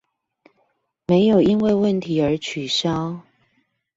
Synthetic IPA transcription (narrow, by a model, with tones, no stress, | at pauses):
me˧˦ɪjo˨˩i˦nwe˥˧ɪwə˥˨nt̪ʰi˨˥ə˞˨˧˥t͡ɕʰy˨˩ɕjɑ˦ʊ